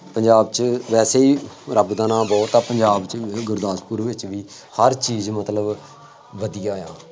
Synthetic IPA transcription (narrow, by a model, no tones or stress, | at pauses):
pəɲd͡ʒaːbt͡ʃʋɛːseːiːɾəbd̪aːnãːbɔːt̪aːpəɲd͡ʒaːbt͡ʃɡʊɾd̪aːspuːɾʋɪt͡ʃʋiː | həɾt͡ʃiːzmət̪ləb | ʋəd̪ijaːjaː